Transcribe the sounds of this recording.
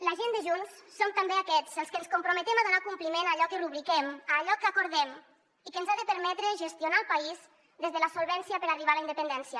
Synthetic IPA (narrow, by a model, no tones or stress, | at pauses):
laʒend̪əʒunsːomt̪ambeakɛt͡səlˠskənskumpɾomet̪emaðunakumplimenaʎɔkəruβɾikɛmaːʎɔkːakoɾðɛm | ikənzaðəpəɾmɛt̪ɾeʒest̪iunalˠpaiz | ðezðələsolˠβɛnsiəpəɾariβaləind̪əpənd̪ɛnsjə